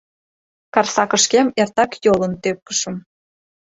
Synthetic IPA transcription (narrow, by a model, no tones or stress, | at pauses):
kɑrsɑkə̆ʃkemert̪ɑkjolə̆nt̪øp̚kə̥ʃə̆m